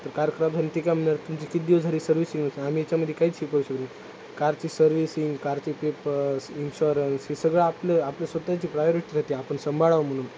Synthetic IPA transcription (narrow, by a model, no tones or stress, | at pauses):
t̪əɾkaɾkɾabd͡zʱaniːt̪ikjam̤əɳjaɾt̪umt͡ɕikid̪iod͡zʱaɾiːsəɾʋisĩŋɡnəsəam̤ijat͡ɕjaməd̪ʱjekaɦiːt͡sɕikəuɕək̪i | kaɾt͡ɕiːsəɾʋisiŋɡkaɾt͡ɕipepəsinɕoɾənsɦisəɡɭeapleapljesʋət̪at͡ɕiːpɾajoɾiʈiːd͡zʱat̪iapəɳsəmbʱaɭaʋam̤əɽ̃uːn